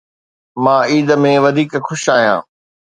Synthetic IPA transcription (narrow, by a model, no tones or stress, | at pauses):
mãːiːd̪əmẽʋɐd̪ʱiːkxʊʃaːɦijã̰ː